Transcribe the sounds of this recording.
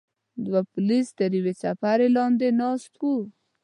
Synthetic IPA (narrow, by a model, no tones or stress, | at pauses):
d̪wapʊlist̪əɾiwesafaɾelɑnd̪enɑst̪ku